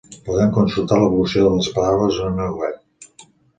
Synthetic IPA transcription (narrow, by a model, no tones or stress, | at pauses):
puðɛmkunsulˠt̪aləβulusioðələspəɾaβəzonənawɛp̚